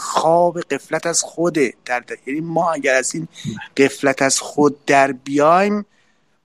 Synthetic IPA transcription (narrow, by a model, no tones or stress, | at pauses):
xɒːbe̞ɢe̞flæt̪ʰæz̥xod̪ed̪̥æɾd̪æɾjæniːmɒːæɟæɾæziːnɢ̥e̞flæt̪ʰæz̥xod̪̚ːæɾbijɒːjm